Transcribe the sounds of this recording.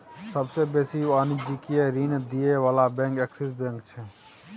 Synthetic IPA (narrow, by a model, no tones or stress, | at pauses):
səbsebeːsiʋaːnid͡ʒikieɾind̪ijeʋaːlabɛ̃ːŋkɛksisbɛ̃ŋkt͡ʃʰɛ